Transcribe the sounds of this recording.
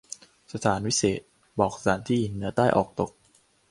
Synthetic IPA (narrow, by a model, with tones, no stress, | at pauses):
sa˧t̪ʰaː˩˦nwi˦˥seː˨˩t̪̚ | bɔː˨˩k̚saː˩˦nt̪ʰiː˥˩ji˨˩nːɯ˩˦ɐt̪aː˥˩jʔɔ̰ː˨˩k̚t̪o˨˩k̚